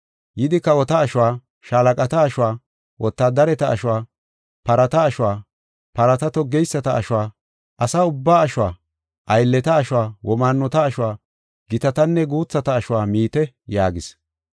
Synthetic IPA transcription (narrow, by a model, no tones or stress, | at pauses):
jɪd̪ɪkːɐɔt̪ɐːʃʊwaː | ʃaːlɐkʼɐt̪ɐːʃʊwaː | wʔɔt̪ːaːd̪ɐɾɛt̪ɐ̰ːʃʊwaː | pɐɾɐt̪ɐːʃʊwaː | pɐɾɐt̪ɐt̪ɔɡɛjsːɐt̪ɐʔʃʊwaː | ʔɐsaːʊbːaːɐʃʊwaː | ʔɐjlːɛt̪ɐːʃʊwaːwʔɔmaːnːɔt̪ɐːʃʊwaː | ɡ̥ɪt̪ɐt̪ɐnːɛɡuːt͡sːɐt̪ɐːʃʊwaːmiːt̪ɛ | jaːɡɪs